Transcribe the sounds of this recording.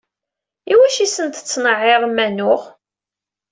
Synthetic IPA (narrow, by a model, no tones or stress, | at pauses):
iwæʃisənt̪t͡sːnəʕːeʁmːænʊʁ